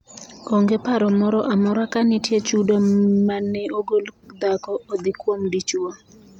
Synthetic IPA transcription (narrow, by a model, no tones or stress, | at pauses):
oŋɡepaɾɔmɔɾɔʔamɔɾakanɪtjet͡ʃudomanːɛoɡold̪akɔʔod̪ɪkwomdit͡ʃwo